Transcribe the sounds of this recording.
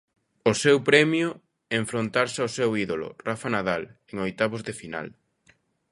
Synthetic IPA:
ʊsɛwpɾɛmjʊ | eɱfɾont̪aɾsɪawsɛwiðolʊ̰rafanaðaleŋojt̪aβʊzðɪfina̰l

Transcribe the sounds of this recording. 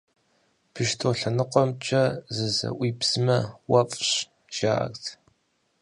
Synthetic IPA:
pʰɨʃtʰoɬɐnɨqʷɔmt͡ʃʼɐzɨzɐ̰ʔʷiːpsɨmɐwɐpʼɕ | ʒ̥aːʔɐ̰ktʰ

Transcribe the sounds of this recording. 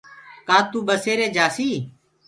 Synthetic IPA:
kãːt̪ũːɓəseːɾeːd͡ʒaːsiː

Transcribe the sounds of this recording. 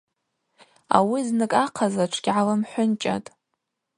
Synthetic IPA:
a̰wiznɨkʼaqʰazaʈ͡ʂʰɡ̥ʲʕalamħʷʊnt͡ʃʼa̰tʼ

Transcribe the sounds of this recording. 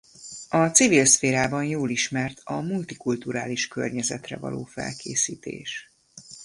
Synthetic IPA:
ɒt̪sivilsfeːɾaːbɒnjoːliʃmɛrt̪ʰɒmult̪ikult̪uɾaːliʃkø̰rɲɛzɛt̪rɛ̰vɒ̰loːfɛ̰lkeːsiːt̪ḛːʃ

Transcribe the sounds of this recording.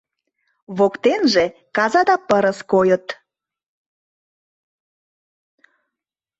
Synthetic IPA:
βokt̪enʒe | kɑzɑd̪ɑpəɾəskojət̪

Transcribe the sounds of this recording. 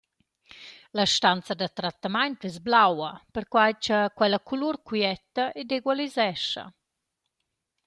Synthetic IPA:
laʃt̪ant͡sad̪at̪ɾat̪ːamajnt̪ɛzblawɐpəɾkwajt͡ʃəkwɛlakuluɾkiɛt̪ːaʔed̪eɡwalizɛʃɐ̰

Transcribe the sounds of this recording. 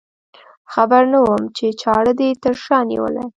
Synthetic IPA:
xabaɾnawəmt͡ʃet͡ʃɑɽəd̪et̪əɾʃɑnḭwə̰la̰

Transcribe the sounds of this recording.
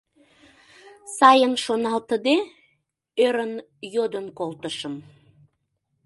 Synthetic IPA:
sɑjənʃonɑlt̪əd̪e | øɾən | jod̪ənkolt̪əʃəm

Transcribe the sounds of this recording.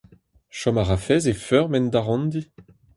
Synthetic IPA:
ʃɔmaʁafɛzefœʁmɛnd̪aʁɔ̃nd̪i

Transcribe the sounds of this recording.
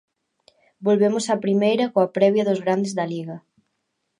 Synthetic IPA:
bolβemʊsapɾimejɾɐkoɐpɾɛβjɐðozɣɾand̪ezðɐliɣɐ

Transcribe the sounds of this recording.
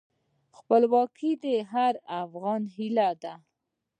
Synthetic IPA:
xpəlwɑkʰid̪əɦaɾafɣɑnɦilad̪a

